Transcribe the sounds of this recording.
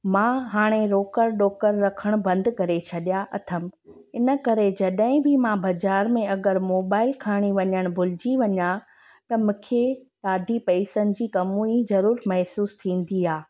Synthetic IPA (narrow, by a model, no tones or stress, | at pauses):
mãɦaːɽ̃eɾoːkəɾɗoːkəɾːɐkʰəɽ̃bɐ̃nd̪kɐɾet͡ɕʰɐɗjaʔɐt̪ʰəm | ɪnə̆kɐɾed͡ʑɐɗɦɪ̃bɪmãbɐd͡ʑaːɾmẽɐɡəɾmoːbaːɪlkʰaːɽ̃iʋɐɲəɽ̃bʱʊlɪd͡ʑiʋɐɲa | t̪ɐmʊ̃kʰe | ɗaːɖʱipɐɪsənɪ̆d͡ʑiːkɐmũizɐɾuːɾmɐɦsuːst̪ʰĩːn̆d̪iaː